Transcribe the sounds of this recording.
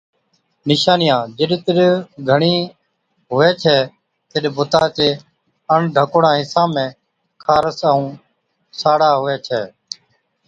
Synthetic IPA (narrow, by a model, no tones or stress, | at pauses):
nɪʃaːnɪjãːd͡ʒɪɗt̪əɗɡʱəɳiː | ɦʊʋɛːt͡ʃʰɛː | t̪ɪɗbʊt̪aːt͡ʃeː | əɳɖʱəkːɽãːɦɪsãːmẽː | kʰaːɾəsəũː | saːɽaːɦʊʋɛːt͡ʃʰɛː